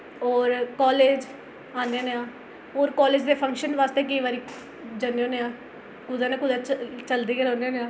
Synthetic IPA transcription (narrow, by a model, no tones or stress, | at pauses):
ɔːɾkɔːleːd͡ʒ | aːndeːneãː | oːɾkɔːleːd͡ʒd̪eːpʰə̃ŋkʃənʋaːst̪eːk̬əiːʋaːɾiː | d͡ʒəneõːneãː | kʊd̪aːnẽːkʊd̪at͡ʃəld̪eːkeːɾɔ̃ːnd̪eːneãː